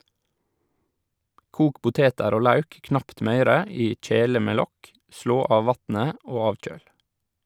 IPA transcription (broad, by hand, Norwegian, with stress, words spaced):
ˈkuːk ˈpʊteːtəɾ ˈoː ˈlɑʉk ˈknɑpt ˈmœʏɾə ˈiː ˈc͡çeːlə ˈmeː ˈlɔk ˈʃɭoː ˈɑːʋ ˈʋɑtn̩ə ˈoː ˈɑːc͡çøːl